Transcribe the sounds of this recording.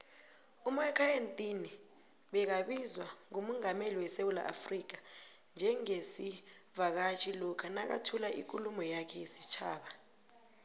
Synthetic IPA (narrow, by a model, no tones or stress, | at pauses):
umakʰʼajentʼini | ɓɛk̬aɓizwaŋumuŋameliwɛsewula̰ʔa̰frik̬and͡ʒʱɛŋesi | vak̬at͡ʃʰʼilɔkʰanak̬a̰tʰulaʔḭk̬ʼulumɔjakʰɛjisi̥t͡ʃʰaːɓa